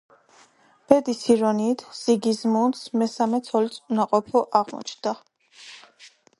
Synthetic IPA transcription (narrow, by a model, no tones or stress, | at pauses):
b̥ɛd̪isiɾɔniːt̪ʰz̥iɡizmunsmɛsamɛt̪sʰɔlit̪sʼunaqʼɔpʰɔʔaʁmɔ̰t͡ʃʰnd̪̥a